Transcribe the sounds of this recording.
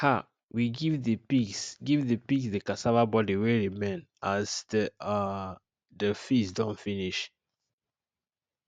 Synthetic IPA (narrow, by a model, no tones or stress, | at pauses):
ha | wiɡivðəpisɡivðəpiksdəkasavabɔdiwɛɾimẽnasdə | dəfisdɔ̃nfiniʃ